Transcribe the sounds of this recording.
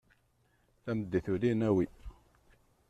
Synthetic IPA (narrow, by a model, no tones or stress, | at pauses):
θæməd̪ːiθulinæwi